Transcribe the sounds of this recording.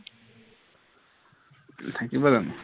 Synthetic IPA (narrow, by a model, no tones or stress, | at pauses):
t̪ʰakibaɾan